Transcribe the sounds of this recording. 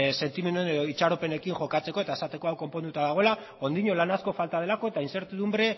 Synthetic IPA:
se̞nt̪ime̞nuenoit͡ʃaɾo̞pe̞ne̞kiŋʝo̞kat͡se̞ko̞e̞t̪aesat̪e̞ko̞awko̞mpo̞nd̪ut̪aðaɣ̞o̞ela | o̞nd̪iɲo̞lanasko̞falt̪aðe̞lako̞e̞t̪ainse̞ɾt̪iðumbɾe̞

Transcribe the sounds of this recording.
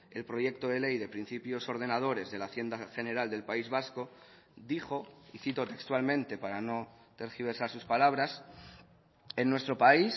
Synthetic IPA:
e̞lpɾo̞ʝe̞k̚t̪o̞ð̞e̞le̞jðe̞pɾin̟θipjo̞so̞ɾð̞e̞nað̞o̞ɾe̞zðe̞laθje̞nd̪axe̞ne̞ɾald̪elpaizβasko̞ | ðixo̞iθit̪o̞t̪e̞kst̪walmẽnt̪e̞paɾano̞ | t̪e̞ɾxiβ̞e̞ɾsaɾsuspalaβ̞ɾas | e̞nːwe̞st̪ɾo̞pais

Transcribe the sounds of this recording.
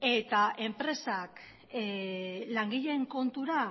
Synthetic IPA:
e̞t̪aʔe̞mpɾe̞sak | laŋɡiʎe̞ːŋko̞nt̪uɾa

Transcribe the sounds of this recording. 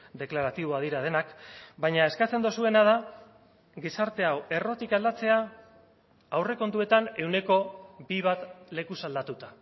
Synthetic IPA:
d̪e̞klaɾat̪iβ̞o̞að̞iɾað̞e̞nakbajɲae̞skat͡se̞nd̪osue̞nað̞a | ɡisaɾt̪e̞awe̞ro̞t̪ikald̪at͡se̞a | awre̞ko̞nt̪ue̞t̪ane̞wne̞ko̞biβ̞at̪le̞kusald̪at̪ut̪a

